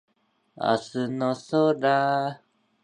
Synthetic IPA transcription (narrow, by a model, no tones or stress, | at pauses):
a̰sɨnosoɾa